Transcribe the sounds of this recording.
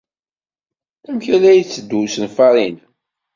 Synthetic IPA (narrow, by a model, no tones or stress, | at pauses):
æmçælæjt͡sːəd̪ːusənfɑɾˤin